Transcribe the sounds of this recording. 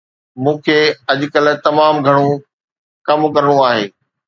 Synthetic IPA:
mũːkʰeːɐʄ̆kɐlt̪ɐmaːmɡʱɐɽ̃õ | kɐmkɐɾəɽ̃uaːɦeː

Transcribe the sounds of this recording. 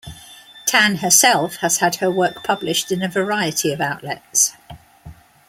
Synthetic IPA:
tʰãnəsɛlˠfhəz̥əd̥həwɜˑk̚pʰʌblɪʃtɪ̃nəvəɹaɪətʰiəvaʊʔlɛ̰ts

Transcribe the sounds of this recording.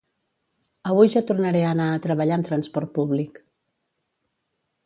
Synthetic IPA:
əβ̞ujʒat̪urnəɾɛənaət̪ɾəβəʎaəmt̪ɾənspɔrt̪̚puβlik

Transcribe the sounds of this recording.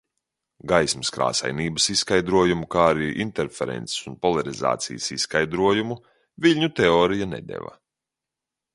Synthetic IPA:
ɡajsməskɾa̰ːsa̰jniːbəsisːkajd̪ɾuɔjumukaːɾiːʔint̪eɾfeɾɛ̰nt̪si̥sunpɔlˠaɾiza̰ːt̪sḭjəsisːkajd̪ɾuɔjumu | viʎʲɲut̪eɔːɾijanɛ̰d̪ḛvɐ̰

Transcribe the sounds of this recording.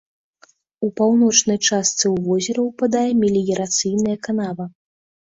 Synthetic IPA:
upawnɔt͡ʂn̪ɐjt͡ʂast̪sɨwvɔzʲɛɾɐwpad̪ajɛmʲilʲijɛɾat̪sɨjnɐjɐkanavɐ

